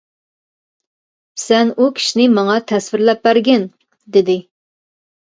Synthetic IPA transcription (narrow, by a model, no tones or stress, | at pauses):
sɛnukʲʰi̥ʃnɪmɑŋɑt̪ʰɛsvɪɾlɛp̚bæɾɡʲɛn | d̪ɪd̪ɪ